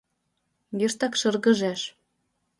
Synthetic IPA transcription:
jiʃt̪ɑkʃɤrɣɤ̆ʒæʃ

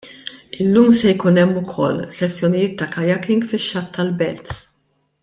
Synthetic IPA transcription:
ɪlːuːmsɛjkuːnɛmːʊkʰɔ̰lːsɛsːjɔnɪjɪːt̪ːɐkɐjɐkɪŋɡfɪʃːɐt̪ʰːɐlbɛlt̪

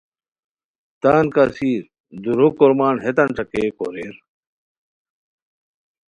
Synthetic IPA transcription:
t̪aːnkasiːɾ | d̪uɾokːoɾmaːnɦet̪ɐnʈ͡ʂɐkeko̰ɾeɾ

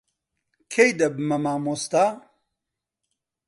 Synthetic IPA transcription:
kʰejd̪ɐbmɐmaːmost̪a

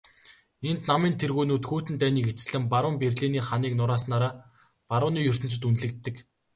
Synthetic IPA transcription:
ent̪namiːnt̪ʰerɣuːnuːt̪xuːt̪ɘ̆nt̪æːniːket͡sɘ̆ɮɘ̆mpaɾʊ̆mperɮiːniːχaniːknʊɾaːsnaːɾaː | paɾʊːniːjɵr̥t̪ɘ̆nt͡ɕɘ̆t̪unɮɘ̆kt̪ːɘ̆k

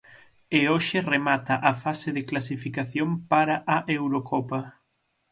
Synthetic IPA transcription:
eoʃɪremat̪ɐʔafaseðɪklas̬ifikaθjoŋpaɾaʔaʔewɾokʰɔpɐ

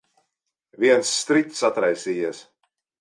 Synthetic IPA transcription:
vʲiɛnsːt̪ɾikt̪sat̪ɾajsiːjiɛs

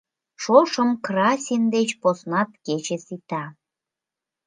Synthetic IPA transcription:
ʃoʃəmkrɑsʲind̪et͡ɕposnɑt̪ket͡ɕesit̪ɑ

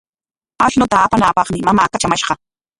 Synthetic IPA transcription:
aʃnʊt̪aːpanaːpɑχmɪmamaːkat͡ʃamaʃɢɑ

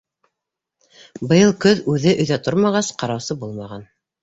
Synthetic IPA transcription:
bɤ̆jɤlˠkɵðʉðɘʔɵ̆jðæt̪oɾmɑʁɑsqɑɾɑwsɤbulˠmɑʁɑn

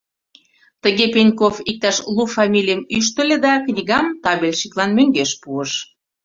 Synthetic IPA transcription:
t̪əɣepenʲkofik̚t̪ɑʃlˠufɑmʲilʲijəmyʃ̬t̪ə̆lʲed̪ɑknʲiɣɑmt̪ɑβelʲʃiklɑnmøŋɡeʃpuəʃ

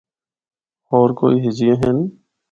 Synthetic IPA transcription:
ɔːɾko̰ːiːɦɪd͡ʒijãːɦeːn

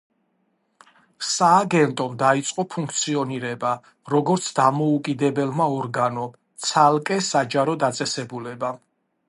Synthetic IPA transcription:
saːɡɛnt̪ʼɔmd̪ait̪sʼqʼɔpʰuŋkʰt̪sʰiɔniɾɛba | ɾɔɡɔɾt̪sʰd̪amɔukʼid̪ɛbɛlˠmaɔɾɡanɔ | t̪sʰalˠkʼɛsad͡ʒaɾɔd̪at̪sʼɛsɛbulɛba

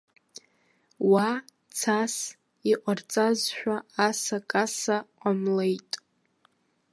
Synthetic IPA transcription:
wa | t͡sʰas | iqʷʼart͡sʼazʃᶣaːsakʼasaqʷʼamlejtʼ

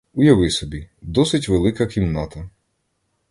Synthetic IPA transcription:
ujɐʋɪsɔbʲid̪ɔsɪtʲʋelˠɪkɐkʲimnɑt̪ɐ

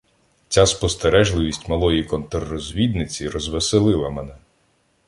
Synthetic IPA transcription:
t͡sʲaspɔst̪eɾɛʒlˠɪʋʲisʲtʲmɐlˠɔjikɔnt̪erːɔzʲʋʲid̪nɪt͡sʲiɾɔzʋeselˠɪlˠɐmɛnɛ

